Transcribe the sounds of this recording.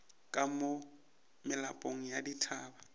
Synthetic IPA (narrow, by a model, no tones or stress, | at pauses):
kʼamo | mɪlapʼoŋ̩jaditʰaːba